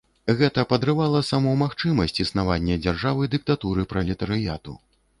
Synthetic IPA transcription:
ɣɛt̪ɐpɐd̪ɾɨvalˠɐsamɔmaxt͡ʂɨmɐsʲt͡sʲisnavanʲːɛd͡zʲarʐavɨd̪ɨk̚t̪at̪uɾɨpɾɐlʲit̪ɐɾɨjat̪ṵ

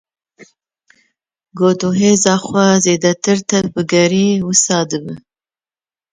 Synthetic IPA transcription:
ɡoːd̪oɦeːzɑːxʷwazeːd̪ɐt̪ɨɾt̪ɐbɨɡɐɾiːwɨsɑːd̪ɨbɨ

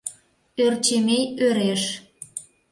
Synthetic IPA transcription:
ørt͡ɕemejøɾeʃ

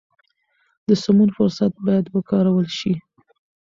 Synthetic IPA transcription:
d̪əsʊmunfʊɾsat̪̚bɑjad̪wəkɑɾawəlʃi

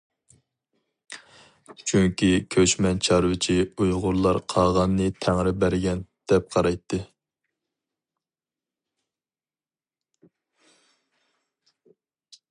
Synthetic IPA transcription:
t͡ʃʰyŋkʲikʲʰøt͡ʃmɛnt͡ʃʰɑɾwɪt͡ʃʰiujʁʊɾlˠɑɾqʰɑʁɑnːɨt̪ʰæŋɾɪbæɾɡʲɛnd̪̥ɛp̚qʰɑɾɑjt̪ʰːɨ

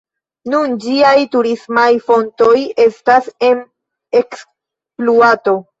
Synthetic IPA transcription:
nund͡ʒiajtuɾismajfo̞nto̞je̞stase̞n | e̞ks | pluato̞

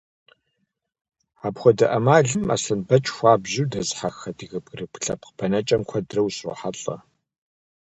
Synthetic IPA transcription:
aːpxʷɔdɐʔɐmaːɮɨma̰ːsɐnbɐt͡ʃʼxʷaːbʒɪwdɐzħaxɐdʰiɣɨbɡɨrɨpʰɬɐp̚qəpʰɐnɐt͡ʃʼɐmkʷʰɐdrɐwsṵħaɬʼɐ̰

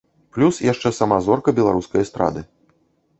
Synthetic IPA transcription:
plʲusjaʂt͡ʂɛsɐmazɔrkɐbʲɛlˠaɾuskɐjɐst̪ɾa̰d̪ɨ

